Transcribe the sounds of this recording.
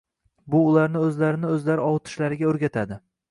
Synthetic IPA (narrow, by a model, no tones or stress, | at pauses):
bʊːlaɾnɪɵzlaɾɪnɪɵzlaɾɪɒwt̪ʰɪ̥ʃlaɾɪɡʲaɵɾɡʲat̪ʰad̪ɪ